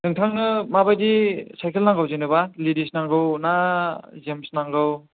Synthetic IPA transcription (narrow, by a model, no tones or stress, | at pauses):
nɯŋtʰaŋnɯmabajdisajkʰelnaŋɡawzenɯbalidisnaŋɡɯwnazemsnaŋɡɯw